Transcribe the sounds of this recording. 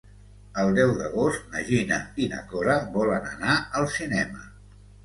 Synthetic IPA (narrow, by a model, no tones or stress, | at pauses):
əlˠd̪ɛwðəɣost̪̚nəʒinəinə̰kɔɾəβɔlənə̰naəlˠsinɛmə